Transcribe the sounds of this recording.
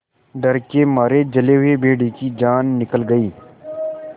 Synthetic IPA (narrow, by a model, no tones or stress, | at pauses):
ɖɐɾkemaːɾed͡ʒɐleɦʊebʱeːɽikid͡ʒaːnːɪkəlɡɐiː